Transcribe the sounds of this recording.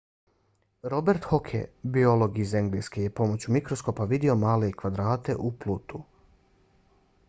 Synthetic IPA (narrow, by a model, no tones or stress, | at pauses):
ɾo̞be̞ɾt̪hokʰḛbio̞lˠoɡizeŋɡlijskeje̞po̞mo̞t͡ɕumikɾosko̞paʋid̪eo̞maːlekʋad̪ɾaːt̪e̞̰ʔuplut̪u